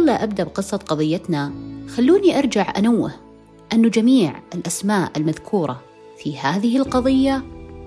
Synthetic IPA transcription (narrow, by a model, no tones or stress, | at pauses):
lːaʔab̚d̪aʔbqɨsˤːɑt̪̚qɑðˤɨjːat̪naxalːuːniʔɑɾˤd͡ʒaʕʔanawːɪ̰h | ʔɪnːud͡ʒamiːʕɪlʔasmaːʔɪlmaðkʰuːɾˤɑ̰ | fihaːðɪhɪlqɑðˤɨjːa